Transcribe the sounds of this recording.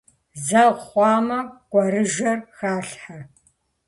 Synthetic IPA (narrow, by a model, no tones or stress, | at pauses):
zɐʁχʷɑːmɐɡ̥ʷʼɐɾɨʒɐrxaːɬħa